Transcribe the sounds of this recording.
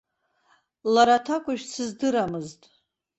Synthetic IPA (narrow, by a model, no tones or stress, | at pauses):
laɾatʰakʷʼaʃsɨzdɨɾamɨztʼ